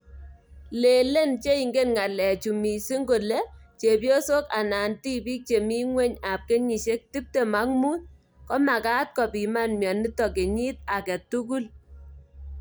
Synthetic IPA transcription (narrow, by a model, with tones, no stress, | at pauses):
le˨le˦nt͡ʃe˦i˨ŋɡe˦nŋa˨lɛ˨t͡ʃu˨mi˨si˦ŋɡo˨le˦t͡ʃe˨pjo˦so˦ka˨na˨nti˦piː˦k̚t͡ʃe˨mi˦ŋwe˦ɲa˨p̚ke˦ɲi˨ʃe˦k̚ti˦p̚te˨ma˦ŋmu˦t̚ | kɔ˦ma˨ka˦t̚kɔ˨pi˨ma˦nmjɔ˨ni˦tɔ˨ke˨ɲi˦t̚a˨kɛ˨tu˦ku˦l